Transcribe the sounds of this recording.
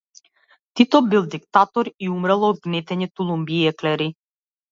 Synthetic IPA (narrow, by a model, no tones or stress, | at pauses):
t̪it̪ɔbilˠd̪ikt̪at̪ɔɾiumɾalˠɔd̪ɡnɛt̪ɛɲɛt̪ulˠumbiɛklɛɾi